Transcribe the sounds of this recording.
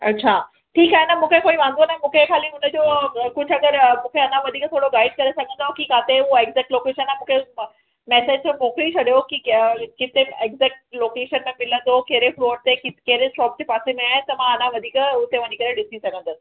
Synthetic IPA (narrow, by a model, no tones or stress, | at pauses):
ɐ̰tːɕʰaː | ʈʰiːkaːenɐmũːkʰekoːiʋãːnd̪onə̃mũːkʰekʰaːliʊnəd͡ʑoːkʊd͡ʑʱɐɡəɾmũːkʰeɐnãʋɐd̪ʱiːkt̪ʰoːɽoɡaːɪɖkɐɾesɐɡʱə̃nd̪okikaːt̪euoeːɡzɛːkʈloːkeːʃənaːmũːkʰe | mɛːsed͡ʑt͡ɕõmoːkliit͡ɕʰɐɗijokikɪt̪eeːɡzeːk̚ʈloːkeːʃənmẽmɪlə̃nd̪okeɦɾefloːəɖ̚t̪ekkeɦɾesʈɔːpd͡ʑeːpaːsemẽaːɦɪnɪ̆t̪ɐmãɐnãʋɐd̪ʱiːkʊt̪eʋɐɲikɐɾeɗɪsisɐɡʱə̃nd̪əsɪ̥̆